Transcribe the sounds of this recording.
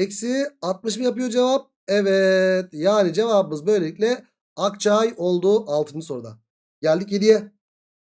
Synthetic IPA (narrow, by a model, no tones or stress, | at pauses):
ɛcsiat̪̚mɯʃmɯjapɯjo̞d͡ʒe̞vap̚ | ɛvɛt̪jaːnid͡ʒe̞vabɯmɯzbø̞jlʲe̞lʲicʲlʲɛ | akt͡ʃʰajo̞lˠd̪uːʔalˠt̪ʰɯnɯso̞ɾud̪a̰ | ɟælʲd̪ic̬jed̪ijɛ